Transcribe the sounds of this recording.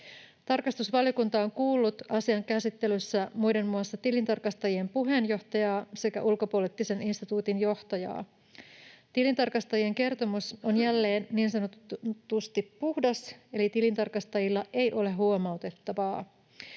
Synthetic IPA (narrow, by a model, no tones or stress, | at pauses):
t̪ɑrkɑst̪usʋɑljo̞kunt̪ɑoŋkuːlːut̪ɑsiɑŋkæsit̪ːe̞lysːæmujde̞nmuɑsːɑt̪ilint̪ɑrkɑst̪ɑjie̞mpuɦe̞njo̞ht̪ɑjɑːse̞kæ̰ʔulko̞po̞lit̪ːise̞ninst̪it̪uːt̪injo̞ht̪ɑjɑ̰ː | t̪ilint̪ɑrkɑst̪ɑjie̞ŋke̞rt̪o̞muso̞njælːe̞ːnːiːnsɑnot̪t̪ust̪ipːuhdɑse̞lit̪ilint̪ɑrkɑst̪ɑjilːɑʔe̞jʔo̞le̞ɦːuo̞mɑwt̪e̞t̪ːɑʋɑː